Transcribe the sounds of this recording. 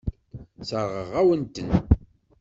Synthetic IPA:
səɾˤʁəʁæwənt̪ən

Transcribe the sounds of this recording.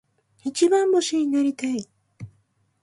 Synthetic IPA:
it͡ɕibãmboɕiɲineɾʲit̪ai

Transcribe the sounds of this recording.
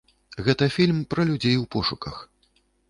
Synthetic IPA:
ɣɛt̪ɐfʲilʲmpɾɐlʲud͡zʲejwpɔʂukɐx

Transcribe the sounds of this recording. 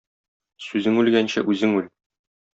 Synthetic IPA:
sʉzɘŋʉlɡænɕæ̰ʔʉzɘŋʉl

